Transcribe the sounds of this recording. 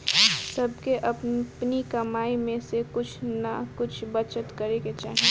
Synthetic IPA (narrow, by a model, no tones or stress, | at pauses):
sɐb̚keʔɐppnikɐmaːimẽsekʊt͡ʃʰnɐkʊt͡ʃʰbɐt͡ʃət̪kɐɾeket͡ʃa̰ːɦi